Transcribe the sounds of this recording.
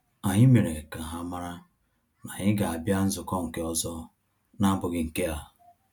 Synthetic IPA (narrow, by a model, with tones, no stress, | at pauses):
a˨ɲɪ˦me˨ɾe˨ka˨ɦa˦ma˦ɾa˦ | ma˨ɲɪ˦ɡa˨a˨bja˦n̩˦zʊ˨kɔ˦ŋ̩˨ke˦ɔ˦zɔ˦ | na˦bʊ˨ɡɪ˨ŋ̩˨ke˦a˨